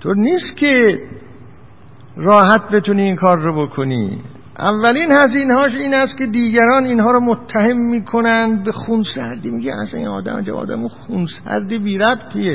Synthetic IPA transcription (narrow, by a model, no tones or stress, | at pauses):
t̪ʰoːɾniːst̪kʰe | rɒːɦæt̪̚be̞t̪uniːŋkʰɒːɾːobokʰonḭː | ʔæ̰vːæliːnhæziːnehɒːʃ̬iːnæst̪kʲʰe̞d̪iːɡæɾɒːniːnɦɒːɾomot̪ʰːæhemːiːkʰonænd̪̚bexunsæɾd̪imiɡeæ̰sæninɒ̰ːd̪æ̰mæ̰d͡ʒæ̰mɒ̰ːd̪æ̰muxunsæ̰ɾd̪ibiːɾæbt̪ʰie